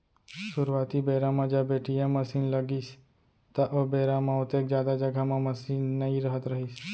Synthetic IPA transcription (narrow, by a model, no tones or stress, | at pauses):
suɾʋat̪ibɛɾamãd͡ʒabeʈijãməsinləɡiʃ | t̪aʔobeɾamãot̪ek̚d͡ʒjad̪ad͡ʒəɡʱamãməsinːəĩɾəɦət̪ɾəɦiʃ